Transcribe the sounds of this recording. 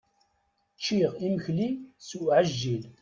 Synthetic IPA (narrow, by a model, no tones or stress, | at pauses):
t͡ʃːiʁiməçlisuʕəʒːil